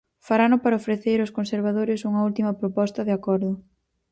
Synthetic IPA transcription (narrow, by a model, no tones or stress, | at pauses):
faɾanʊpaɾɐofɾeθeɾoskonseɾβ̞aðoɾɪsuŋɐult̪imɐpɾopɔst̪ɐðeakɔɾðʊ